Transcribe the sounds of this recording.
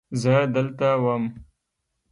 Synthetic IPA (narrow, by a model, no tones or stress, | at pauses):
zəd̪əlt̪awəm